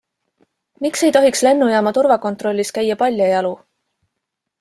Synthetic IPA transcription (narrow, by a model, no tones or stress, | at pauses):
mikse̞jt̪o̞ɦiksle̞nːujɑːmɑt̪urvɑko̞nt̪ro̞lʲːiskæjːɑpɑlʲjɑjɑlu